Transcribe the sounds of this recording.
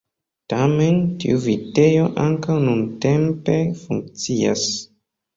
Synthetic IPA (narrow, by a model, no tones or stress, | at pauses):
tame̞ntḭuvite̞jo̞ʔaŋkawnunte̞mpe̞fṵŋk̚t͡sia̰s